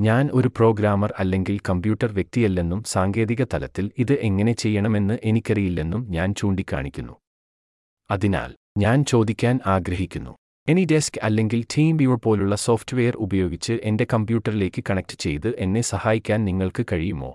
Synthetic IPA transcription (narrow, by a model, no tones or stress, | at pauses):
ɲaːno̞ɾupro̞ːɡɾaːmɐrɐlːe̞ŋɡilkɐmbjuːʈːɐrʋje̞k̚t̪ijɐlːe̞nːumsaːŋɡe̞ːðiɣɐt̪ɐlɐt̪ːiliðɨʔe̞ŋːɐne̞t͡ɕe̞jːɐɳɐme̞nːɨʔe̞nikʲːɐrijilːe̞nːumɲaːnt͡ɕuːɳɖikʲːa̰ːɳikʲːunːu | ɐðina̰ːl | ɲaːnt͡ɕo̞ːd̪ikʲːaːnaːɡɾɐɦikʲːunːṵ | e̞nide̞skɐlːe̞ŋɡiltʰiːmiʋɭpo̞ːluɭːɐso̞ːftɨʋe̞jɐrubɐjo̞ːɡit͡ɕːɨʔe̞nde̞kɐmbjuːʈːɐrile̞ːkːɨkɐɳɐk̚tɨ̥t͡ɕe̞jt̪ɨʔe̞nːe̞sɐhaːjikʲːaːnniŋːɐɭkɨkɐɻijumo̞̰ː